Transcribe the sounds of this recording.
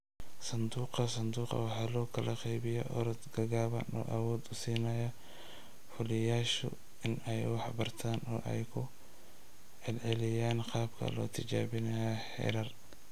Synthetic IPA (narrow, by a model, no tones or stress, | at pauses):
sɐnd̪uːqɐsɐnd̪uːqɑ̰wɑħɑːlɔːkʰɐlɐqɛjβɪjɔʔɔ̰ɾɔd̪ɡɐɣaːβɐnɔ̰ːʔɐwɔːd̪ʊsiːnɐjɐ | fʊlɪjaːʃʊ̰ | ɪnɛjwɑħbɐrt̪ʰaːnɔ̰ːʔɛjkʰʊ | ʕɛlʕɛlɪjaːnqɑːbkʰɐ̰lɔ̰ːt̪ʰɪt͡ʃa̰ːβɪnɐjaħɛ̰ːɾɐr